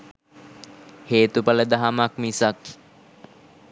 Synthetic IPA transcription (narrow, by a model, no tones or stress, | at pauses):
heːt̪upələd̪aɦamakmisak